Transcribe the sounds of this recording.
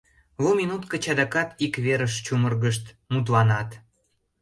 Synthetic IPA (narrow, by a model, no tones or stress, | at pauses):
vuminut̪kət͡ɕɑd̪ɑkɑt̪ikβeɾəʃt͡ɕumərɣəʃt̪ | mut̪̬lɑnɑt̪